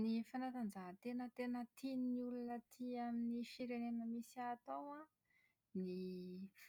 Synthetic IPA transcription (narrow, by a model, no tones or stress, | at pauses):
nifanat̪and͡ʒaɦt̪enət̪enət̪innulunət̪ʰiaminifiɾenenəmisiat̪owa | nif